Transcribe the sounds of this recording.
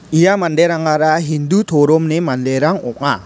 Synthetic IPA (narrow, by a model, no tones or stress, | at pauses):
ijamandejɾaŋaɾaɦind̪ut̪ʰoɾomnemanlejɾaŋɔ̰k̚ŋa